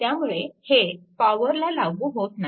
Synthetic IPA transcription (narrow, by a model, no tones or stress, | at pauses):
t̪jamuɭehepaʋəɾlalaɡuːɦot̪na